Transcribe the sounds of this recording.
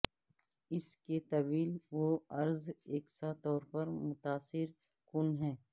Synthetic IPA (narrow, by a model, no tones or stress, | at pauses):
ɪsket̪ɐʋiːlʋoɐɾzeːksat̪ɔːɾpɐɾmʊt̪aːsɪɾ | kʊnɦɛ̃ː